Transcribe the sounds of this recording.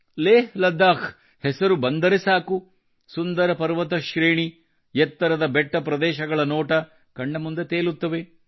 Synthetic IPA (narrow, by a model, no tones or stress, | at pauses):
leːɦlɐd̪ːaːkʰ | hɛsɐɾubɐnd̪ɐɾesaːku | sund̪ɐɾɐpɐɾʋɐt̪ɐʃɾeːɳi | jɛt̪ːɐɾɐd̪ɐbɛʈːɐpɾɐd̪ɛːʃɐɡɐɭɐnoːʈɐ | kɐɳːɐmund̪et̪eːlut̪ːɐʋe